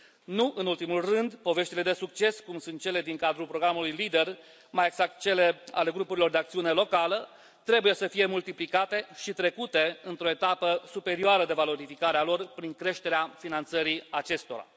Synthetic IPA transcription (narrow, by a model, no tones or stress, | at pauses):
nuʔɨnult̪imulrɨnd̪po̞ve̞ʃt̪ile̞d̪e̞suk̚t͡ʃe̞skumsunt̪̚t͡ʃe̞le̞d̪iŋkad̪ɾulpɾo̞ɡɾamulujlid̪e̞r | majeɡz̥ak̚t̪̚t͡ʃe̞le̞a̰le̞ɡɾupuɾilo̞rd̪eak̚t̪siune̞lo̞kalə | t̪ɾe̞buje̞səfije̞mult̪iplikat̪e̞ʃit̪ɾe̞kut̪e̞ɨnt̪ɾo̞e̞t̪apəsupe̞ɾioaɾəd̪e̞valo̞ɾifikaɾealo̞rpɾiŋkɾe̞ʃt̪e̞ɾeafinant̪səɾiat͡ʃe̞st̪o̞ɾa̰